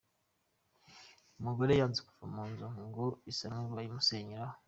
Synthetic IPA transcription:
umuɡoɾejaːnziku̥famuːnzuŋɡoisaŋuajimuseːɲiɾa

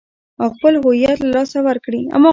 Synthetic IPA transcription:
awxpəlɦʊijat̪lalɑsawaɾkɽia̰mɑ

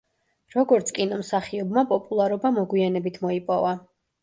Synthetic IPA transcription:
ɾɔɡɔɾt̪sʰkʼinɔmsaχiɔbmapʼɔpʼulˠaɾɔbamɔɡwianɛbit̪ʰmɔipʼɔva

